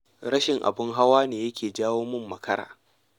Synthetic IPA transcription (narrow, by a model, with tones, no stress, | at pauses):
ɾɐ˦ʃɪ˨ŋʔa̰˨bɪ˦ŋɦa˦waː˦neː˨jɐ˦kʲʰeː˨d͡ʒaː˦woː˦mɪ˦mːɐ˨kʰɐ˦ɾa̰ː˨